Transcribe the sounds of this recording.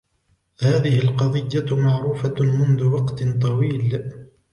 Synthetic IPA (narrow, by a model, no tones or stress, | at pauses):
haːðɪhɪlqɑðˤɪjːamaʕɾuːfamʊnðʊwɑqt̪t̪ˤɑwiːl